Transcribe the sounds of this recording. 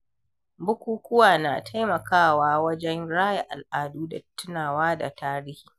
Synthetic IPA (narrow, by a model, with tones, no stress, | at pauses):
bʊ˦kʷuː˦kʷʊ˦waː˨na̰ː˨tʰa˦jmɐ˨kaː˦˨waː˦wɐ˦d͡ʒɛ˦nɽaː˦ja˨ʔa̰˨lʔaː˨duː˦da˨tːʊ˦naː˨waː˦da̰˨tʰaː˦ɾi˦hiː˨